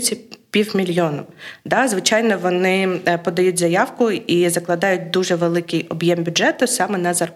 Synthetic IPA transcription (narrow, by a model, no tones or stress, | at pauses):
t͡sʲːɐpʲiwmʲilʲjɔnɐmd̪ɑzʋɪt͡ʃɑjnɔʋɔnɪpɔd̪ɐjutʲzɐjɑwkʊizɐklˠɐd̪ɑjʊt̚ʲd̪uʒɛʋelˠɪkɪjɔbjɛmbʲʊdʐɛt̪ʊsɑmɛnɐzɐr